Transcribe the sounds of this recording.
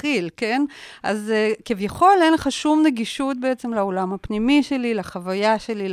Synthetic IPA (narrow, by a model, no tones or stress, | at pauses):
ilke̞nʔa̰zkivjaχo̞lejnlχaʃumneɡiʃut̚beet͡semlaolamhapnimiʃe̞lilaχavajaʃe̞li